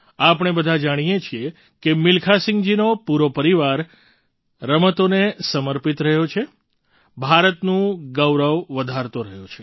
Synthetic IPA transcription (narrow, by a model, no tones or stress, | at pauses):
apɳ̃ebəd̪ʱad͡ʒaɽ̃ijet͡ʃʰie | kemɪlkʰasɪ̃ŋɡd͡ʒinopuɾopəɾiʋaɾ | ɾəmət̪onesəməɾpit̪ɾəɦjot͡ʃʰe | bʱaɾət̪nũɡəwɾəʋʋəd̪ʱaɾt̪oɾəɦjot͡ʃʰe̥